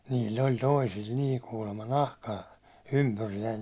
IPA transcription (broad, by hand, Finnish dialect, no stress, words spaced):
niːlʲː olʲ toisilʲ niː kuːlemːɑ nɑhkɑː ympyrijæin